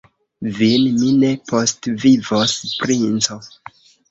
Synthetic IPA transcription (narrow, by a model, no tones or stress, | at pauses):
vinmine̞postvivospɾint͡so